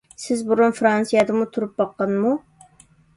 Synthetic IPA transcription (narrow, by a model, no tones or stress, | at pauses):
sɪzbuɾunfɾɑnsijɑd̪ɨmut̪ʰuɾup̚bɑqːɑnmu